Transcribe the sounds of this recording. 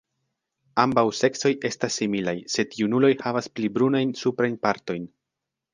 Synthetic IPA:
ambawse̞kso̞je̞stasːimilajse̞diunulo̞jhavasplibɾunajnsupɾajnpaɾto̞jn

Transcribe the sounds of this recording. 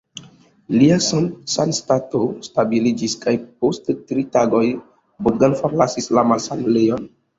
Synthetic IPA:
liasansanstatostabilid͡ʒiskajp̚osttɾitaɡo̞j | buɡanfoɾlasislamasamblejon

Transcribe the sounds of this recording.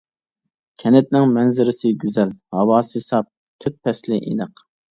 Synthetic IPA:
kʲʰɛnɛt̪̚nɪŋmɛnzɪɾɪsɪɡʲyzɛlhɑwɑːsesɑp̚ | t̪ʰyt̪̚pʰɛslɪʔḭnɨq

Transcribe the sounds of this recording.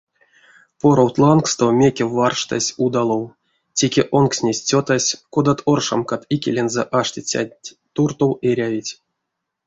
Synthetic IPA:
po̞ɾowt̪lˠankst̪omʲekʲewːarʂt̪a̰sʲud̪ɑlˠow | tʲe̞kʲeʔonksʲnʲesʲt͡sʲot̪asʲkod̪at̪ʰorʂa̰mkat̪ikʲḛlʲenzɛʔaʂtʲit͡sʲa̰ | t̪urt̪oweɾʲavʲitʲ

